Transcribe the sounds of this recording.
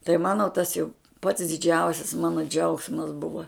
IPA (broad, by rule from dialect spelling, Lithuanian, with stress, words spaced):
tɐɪ ˈmɑːnoː tɐs jɛʊ pɐts dʲɪˈd͡ʒʲɛʊsʲɪs ˈmɑːnoː ˈd͡ʒʲɛʊksmɐs ˈbʊʋɐ